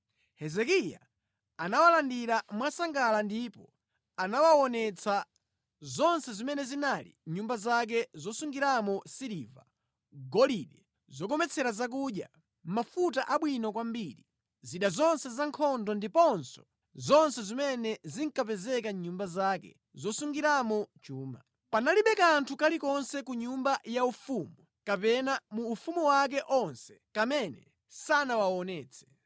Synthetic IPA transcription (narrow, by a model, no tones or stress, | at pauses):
hɛzɛkija̰ | anawalandiɾamwasaŋɡalandipɔ | anawawɔnɛt͡sʰa | zɔnsɛzimɛnɛzinalḭɲumbazak̬ɛzɔsuŋɡiɾamɔsiɾiva̰ | ɡɔliɗɛ | zɔk̬ɔmɛt͡sʰɛɾazak̬uːɗja̰ | mafutaʔaɓwinɔk̬wambiɾḭ | ziɗazɔnsɛzaŋkʰɔndɔndipɔnsɔ̥ | zɔnsɛzimɛnɛziŋkapɛzɛkaɲumbazaːkɛ̰ | zɔsuŋɡiɾamɔt͡ʃuːma | panaliɓɛkaːntʰukalikɔnsɛkuɲumbajaufumu | kapɛnamuːfumuwak̬ɛʔɔnsɛ̥kamɛnɛ̰ | sanawawɔnɛːt͡sʰɛ̥